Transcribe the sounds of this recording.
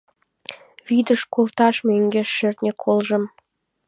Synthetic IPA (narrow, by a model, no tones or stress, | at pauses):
βid̪əʃkolˠt̪ɑʃmeŋɡʲeʃert̪nʲekʰolˠʒə̆m